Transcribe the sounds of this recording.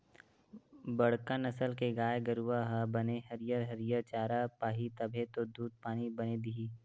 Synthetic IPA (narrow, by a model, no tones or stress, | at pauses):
bɐɽ̤kanɐsəlkeɡaːjeɡəɾuʋaɦɐbɐneɦɐɾɪjəɾɦɐɾjət͡ʃaːɾapaːɦit̪ɐbʱet̪od̪uːd̪̚paːnibɐned̪iɦiː